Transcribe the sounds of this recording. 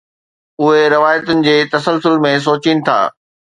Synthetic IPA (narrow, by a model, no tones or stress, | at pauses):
ʊɦeɾɐʋaːjət̪ʊnɪ̆d͡ʑeːt̪ɐsəlsʊlmẽs̬oːt͡ɕinɪ̆t̪ʰa̰ː